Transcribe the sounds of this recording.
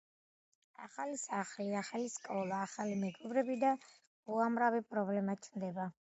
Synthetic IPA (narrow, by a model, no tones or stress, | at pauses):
a̰χalisaχliaχaliskʼɔlˠaːχalimɛɡɔbɾɛbid̪a | uamɾavipʼɾɔblɛmat͡ʃʰnd̪ɛba